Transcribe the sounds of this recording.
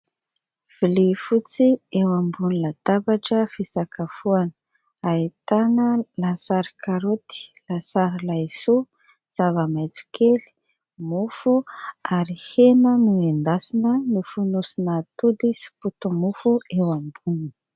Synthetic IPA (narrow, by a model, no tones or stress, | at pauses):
v̥ilifut͡siewambunilat̪abaʈ͡ʂəfisakafuanə̥ | ait̪anəlasaɾi̥kaɾot̪i̥lasaɾilasu | z̥avəmajt͡su̥kʰeli̥ | mufuaɾihenəniend̪asinənifunusinat̪ud̪isi̥put̪umufuewambuni